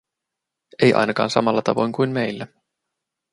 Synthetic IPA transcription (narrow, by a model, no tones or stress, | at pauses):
e̞jʔɑ̰jnɑkɑ̰ːnsɑ̰mɑlːɑt̪ɑ̰ʋo̞jŋkujnme̞jlːæ